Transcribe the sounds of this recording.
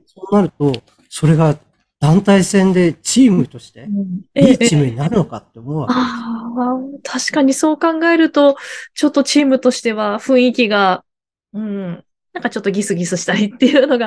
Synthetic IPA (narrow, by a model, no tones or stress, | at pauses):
so̞ːnaɾɯ̟t̪o̞ | so̞ɾe̞ɡa | d̪̥ãnt̪aisẽ̞nd̪e̞t͡ɕiːmɯ̟t̪o̞ɕi̥t̪e̞ɯeiːt͡ɕiːmɯ̟ɲ̟inaɾɯ̟no̞kat̪ːeomoβa̰a | t̪ʰaɕi̥kaɲ̟iso̞ːkãŋɡae̞ɾɯ̟t̪o̞t͡ɕo̞t̪ːo̞t͡ɕiːmɯ̟t̪o̞ɕi̥t̪e̞β̞aɸɯ̟̃ɰ̃ikʲiɡa | ɯ̟̃ɴ | nãŋkat͡ɕo̞t̪ːo̞ɡʲisɨɡʲisɨɕi̥t̪aɾʲit̪ːe̞jɯ̟ːno̞ɡa